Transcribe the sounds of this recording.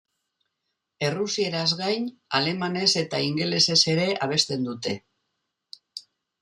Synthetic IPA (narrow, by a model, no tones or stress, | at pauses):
e̞rusie̞ɾazɣajnale̞mane̞se̞t̪aiŋɡe̞le̞se̞se̞ɾe̞ʔaβ̞e̞st̪e̞nd̪ut̪e̞